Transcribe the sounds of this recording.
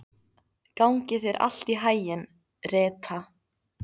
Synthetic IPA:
kawŋcɪθɛɾʔa̰l̥t̪iɦaːjɪn | rɛːt̪ʰa

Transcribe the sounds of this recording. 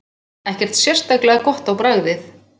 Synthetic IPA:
ɛhcɛr̥t̪sjɛr̥st̪aklɛɣakɔht̪awpɾaɣðɪθ

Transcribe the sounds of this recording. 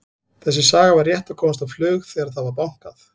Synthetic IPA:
θɛsːɪsaːɣavarjɛht̪akʰɔːwmast̪awflœːɣθɛːɣaɾaðθaðvaɾpawŋ̥kaθ

